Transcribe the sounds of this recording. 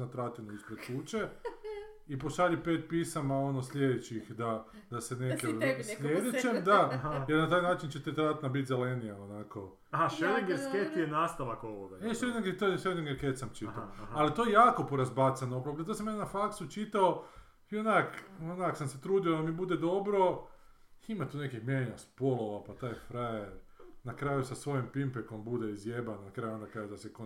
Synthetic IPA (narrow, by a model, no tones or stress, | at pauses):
nat̪ɾat̪inuispɾet̪t͡ʃuːt͡ʃe | ipoʃaʎipeːt̪̚piːsamao̞noslʎʲed̪et͡ɕixd̪a | d̪̥asenekeslʲjed̪et͡ʃemd̪ajeɾnat̪aːjnaːt͡ʃint͡ʃet̪et̪ɾat̪nabit̪zelenijaonako̞̰ | aɦaʃeleŋɡeɾsket̪jenaːst̪aʋakoʋoɡaeʃed̪eŋɡet̪ojeʃeleŋɡeɾket̪samt͡ʃiaoalit̪o̞jejaːko̞po̞ɾazbat̪sanoopɾokɾt̪as̬amenenafaksut͡ʃit̪ao | ionakonaksamse̞t̪ɾuːd̪iod̪amibud̪ed̪o̞bɾo̞ | imat̪uːnekihmʲjeɲaspo̞lˠo̞ʋapat̪aːjfɾajeɾnakɾaːjusasʋo̞jempimpeko̞mbud̪eizjebannakɾaːjuond̪akɾaːjud̪aseko